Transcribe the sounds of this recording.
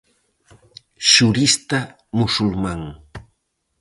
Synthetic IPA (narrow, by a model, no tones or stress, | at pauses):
ʃʊɾɪst̪a | mʊsʊlmaŋ